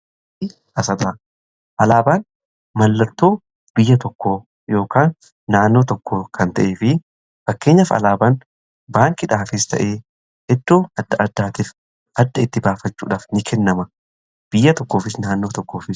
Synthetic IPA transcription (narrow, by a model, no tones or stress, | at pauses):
ɪ | ɐsɐd̪aː | ʔɐlaːbaːn | mɐlːɐɾt̪o̞ː | b̥ɪjːɐt̪ɔkːoː | jo̞ːkaːnː | aːnːo̞ːt̪ɔkːoːkʰɐnt̪ɐʔeːfɪ | fɐkːe̞ːɲːɐfɐ̰laːbaːn | baːŋkɪᶑaːfɪst̪ɐ̰ʔeː | ɛd̪ːoːɐd̪ːɐʔɐd̪ːaːt̪iːf | ʔɐd̪ːɐɪt̪ːɪbaːfɐt͡ʃːṵːᶑaːfnɪkʰɛnːɐmɐ | b̥ɪjːɐt̪ɔkːo̞ːfɪsnaːnːo̞ːt̪ɔkːo̞ːfɪ